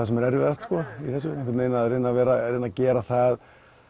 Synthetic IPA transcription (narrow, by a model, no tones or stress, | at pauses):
asɛmɛɾɛɾvɛɾast̪skɔiθɛsːʏehkvɪɾt̪neːjnaðɾeːnavɛːɾaɾeːnacɛːɾaθað